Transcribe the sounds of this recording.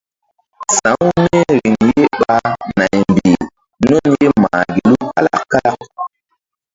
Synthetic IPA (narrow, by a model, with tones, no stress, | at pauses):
sã˨˦ŋu˦ne˦ɾi˨ŋje˦ɓa˨na˨jmbi˨ | no˦nje˦ma̰ː˨ɡi˨lu˦ka˦la̰˦kːa˦la˦